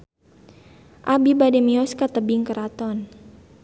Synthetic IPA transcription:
ʔabibadɛmiɔskat̪əbɪŋkəɾʔat̪ɔn

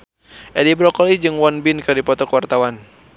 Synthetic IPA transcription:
ʔɛlibɾɔkɔlid͡ʒɨŋwɔnbinkɨdipɔt̪ɔkwart̪awan

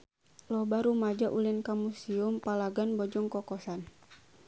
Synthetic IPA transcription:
lɔbaɾumad͡ʒaʔulinkamusiumpalaɡanbɔd͡ʒɔŋkɔkɔsan

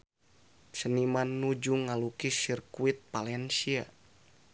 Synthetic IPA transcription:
sənimanːud͡ʒuŋalukisirkuit̪̚palɛnsia̰

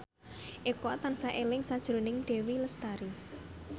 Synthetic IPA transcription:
ʔekɔt̪ansaʔelɪŋsad̥ʒ̥ɾo̤nɪŋɖ̪̥e̤wiləst̪aɾi

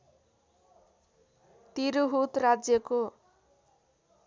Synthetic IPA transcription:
t̪iɾuɦut̪rad͡zjʌko

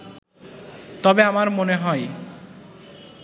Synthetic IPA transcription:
t̪ɔbeamaɾmoneɦɔe

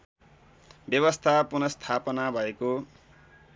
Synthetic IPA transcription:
bjʌβʌst̪ʰapunʌst̪ʰapʌnabʱʌeko

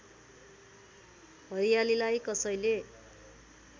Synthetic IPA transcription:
bʌɾijalilajkʌsʌjle

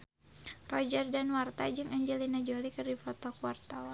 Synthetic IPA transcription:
rɔd͡ʒərdanwart̪ad͡ʒɨŋaɲd͡ʒɛlinad͡ʒolikɨrdifɔt̪ɔkuwart̪awan

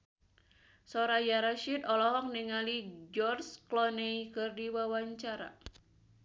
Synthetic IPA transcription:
sɔɾajaɾaʃit̪ɔlɔɦɔk̚niŋalid͡ʒɔrsklɔneikɨrdiwawaɲt͡ʃaɾa̰

